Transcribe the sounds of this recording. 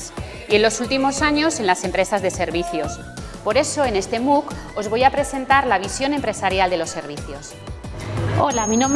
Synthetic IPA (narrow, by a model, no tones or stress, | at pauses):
s | ie̞nlo̞sult̪imo̞saɲo̞se̞nlase̞mpɾe̞sazðe̞se̞ɾβ̞iθjo̞s | po̞ɾe̞so̞ene̞st̪e̞muko̞zβ̞o̞japɾe̞se̞nt̪aɾlaβ̞isjo̞ne̞mpɾe̞saɾjald̪e̞lo̞sːe̞ɾβ̞iθjo̞s | olaminõm